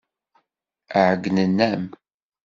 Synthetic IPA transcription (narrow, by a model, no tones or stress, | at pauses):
əʕəɡnənːæm